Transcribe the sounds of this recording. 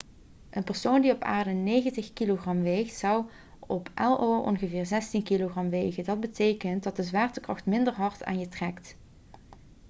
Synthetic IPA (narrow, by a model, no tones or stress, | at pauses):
ʔənpəɹsowndiɔpa̰ːɹdənejɣəntəxkiloχrɑmʋejxtsɑw | ɔpʔɛlˠowʔɔ̰nɣəvɪːɹzɛstinkiloχrɑmʋejɣədɑd̚bətejkənt̚dɑt̚dəzʋaːrtəkrɑxtmɪndəɹɦɑɹta̰ːnjətrɛkt